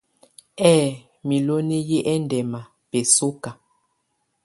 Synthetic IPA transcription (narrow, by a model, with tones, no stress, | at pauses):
ɛː˦˨ | mi˨lo˦ne˦je˦ʔɛ˦n˨dɛ˨ma˨ | pe˨so˦ka˨